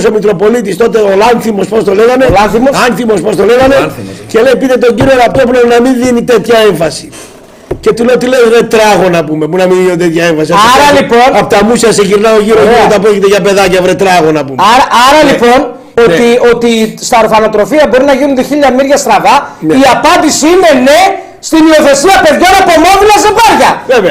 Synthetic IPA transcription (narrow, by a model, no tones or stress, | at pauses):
somikɾo̞po̞lit̪ist̪o̞t̪eolɐnθimo̞spost̪o̞le̞ɣɐnelɐθimoɐnθimo̞spost̪o̞le̞ɣɐne̞ce̞le̞jipiðet̪o̞ɲɟiɾioɾɐpt̪op̬ulenɐminðinit̪e̞t̪çɐe̞ɱfɐsi̥ | ce̞t̪uleot̪̬ilevɾet̪ɾɐɣo̞nɐpumepunɐmiðinot̪et̪çɐe̞ɱfɐsiɐɐɾɐlipo̞nɐpot̪ɐmusçɐseʝiɾnɐo̞ʝiɾosot̪ɐpɾo̞cit̪eʝɐpe̞ðɐcɐvɾet̪ɾɐɣo̞nɐpumɐɾɐɐɾɐlipo̞n | o̞t̪io̞t̪ist̪ɐɾofɐno̞t̪ɾo̞fiɐbo̞ɾinɐʝinund̪eçiʎːɐmiɾʝɐst̪ɾɐvɐniɐpɐnd̪isiine̞ne̞ | st̪inio̞θe̞siɐpe̞ðʝo̞nepomo̞vulɐzepɐɾʝɐveve